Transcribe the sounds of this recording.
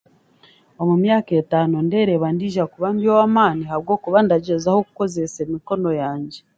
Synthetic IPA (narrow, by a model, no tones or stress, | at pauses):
o̞mumjaːke̞taːnonde̞ɾeβandiːʒakuβambiowamaːnihaβɡo̞ːkuβandaɟe̞zaho̞ku̥ko̞zese̞miko̞no̞jaːɲɟe